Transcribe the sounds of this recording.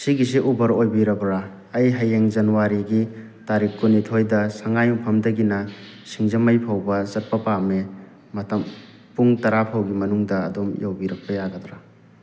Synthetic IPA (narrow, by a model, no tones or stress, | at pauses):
siɡis̬iʔubɐɾojbiɾɐbɾaː | jɦɐjeŋzɐnuwaɾiɡi | taɾikːunitʰojdɐsɐŋajupʰɐmdɐɡinɐ | sʰiŋzɐmɐjpʰawbɐsɐt̚pɐpame | mɐtɐm | puŋtɐɾapʰawɡimɐnuŋdɐːdomjawbiɾɐk̚pɐjaɡɐdɾa